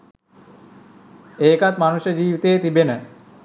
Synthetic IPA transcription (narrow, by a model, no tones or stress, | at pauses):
eːkat̪manuʃəd͡ʑiːʋit̪eːt̪ibenə